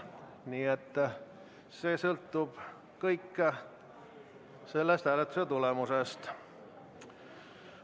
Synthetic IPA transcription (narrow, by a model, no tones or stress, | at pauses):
niːet̪ː | se̞ːsɤlt̪ːub̥ | kɤjkː | se̞lːest̪hælet̪ːˑuset̪ulemusest̪